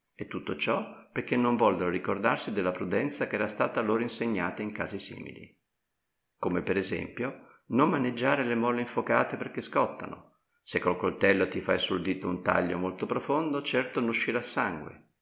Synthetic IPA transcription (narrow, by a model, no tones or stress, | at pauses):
et̪ːut̪ːot͡ʃɔperkenːoɱvɔlɡoɾoɾikord̪arsid̪elːapɾud̪ɛnt̪sakɛːɾast̪aːt̪aloːɾoinseɲːa̰ːt̪aiŋka̰ːzisḭːmḭlḭ | komepeɾezɛ̰mpjo | nomːaned͡ʒːaːɾelemɔlːeiɱfokaːt̪eperk̟eskɔt̪ːa̰no̰ | sekːolkolt̪ɛlːot̪ifajsuld̪iːt̪ːount̪a̰ʎːo̰molt̪opɾofond̪ot͡ʃɛrt̪onuʃːiɾasaŋɡwḛ